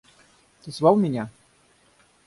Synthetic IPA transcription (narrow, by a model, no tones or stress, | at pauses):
t̪ɨzvawmʲɛnʲa